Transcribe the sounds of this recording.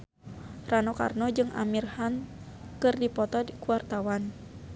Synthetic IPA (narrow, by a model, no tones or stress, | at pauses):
ranɔka̰rnɔd͡ʒɨŋʔa̰mirhan | kɨrdipɔt̪ɔdkuart̪awan